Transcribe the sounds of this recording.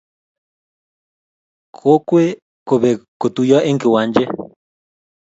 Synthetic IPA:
kʰo˦kwe˦ | ko˨βe˨ko˨t̪u˨jɔ˦ʔe˦ŋke˨wa˨˦nd͡ʒe˦

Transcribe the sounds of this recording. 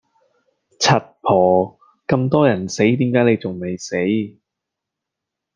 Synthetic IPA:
t͡sʰɐ˨t̚pʰɔː˨˩ | kɐ˧mt̪ɔː˥jɐ˨˩nse˨˥jt̪iː˨˥mkaː˨˥jne˨˧jt͡sʊ˨ŋme˨˩jse˨˥j

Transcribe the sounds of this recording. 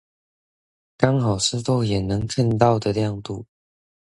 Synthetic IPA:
kɑ˥ŋxɑ˨˩ʊsɹ̩˥˧t̪o˥ʊjɛ˨˩nɤ˧˦ŋkʰa˥˧nt̪̬ɑ˥˨ʊd̪ə˨ljɑ˥˧ŋt̪u˥˨

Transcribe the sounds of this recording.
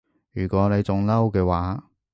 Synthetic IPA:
jyː˨˩kʷɔː˨˥ne˨˧jt͡sʊ˨˧ŋlɐ˥wkɛː˧waː˨˥

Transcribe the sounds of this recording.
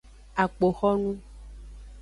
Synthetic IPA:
a˨k͡po˨xɔ˦nũ˦

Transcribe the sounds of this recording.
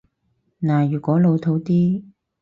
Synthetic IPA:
naː˨˩jyː˨˩kʷɔː˨˥lo˨˧wt̪ʰo˨˧˥wt̪iː˥

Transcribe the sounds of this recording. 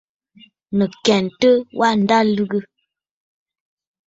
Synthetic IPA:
nə˨kɛ˨ntə˦wʔa˦n̩˨da˦lʉ˦ɡə˦

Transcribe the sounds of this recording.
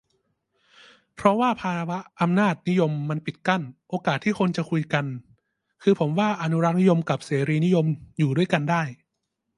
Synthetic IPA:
pʰɾɔ˦˥waː˥˩pʰaː˧wa˦˥ʔʔa˧mnaː˥˩t̪̚ni˦˥jo˧mːa˧npi˨˩t̪̚ka˥˩nʔoː˧kaː˨˩t̪ʰːiː˥˩kʰo˧nt͡ɕa˨˩kʰu˧jka˧n | kʰɯː˧pʰo˩˦mwaː˥˩ʔa˧nu˦˥ɾa˦˥t̪̚ni˦˥jo˧mka˨˩p̚seː˩˦ɾiː˧ni˦˥jo˧mjuː˨˩du˥˩əjka˧ndaː˥˩j

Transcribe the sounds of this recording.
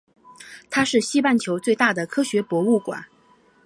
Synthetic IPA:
t̪ʰa˥ʂɻ̩˥˩ɕi˥pa˥˩nt͡ɕʰjo˧˥ʊt͡swe˥˧ɪt̪a˥˩d̪ə˩kʰɤ˥ɕɥɛ˧˥pwɔ˧˥u˥˩kwa̰˨˩˦n

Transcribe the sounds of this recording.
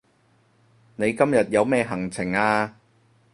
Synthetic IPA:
ne˨˧jkɐ˥mjɐ˨t̚jɐ˨˧wmɛː˥˧ɦɐ˨˩ŋt͡sʰɪ˨˩ŋaː˧

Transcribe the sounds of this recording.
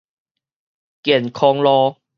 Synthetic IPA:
kjɛ˨˩nkʰɔ˧ŋlɔ˦

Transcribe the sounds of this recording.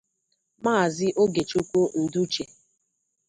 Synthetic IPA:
maː˦˨zɪ˦ʔo˦ɡe˨t͡ʃu˦kʷu˦n̩˨du˦t͡ʃe˨

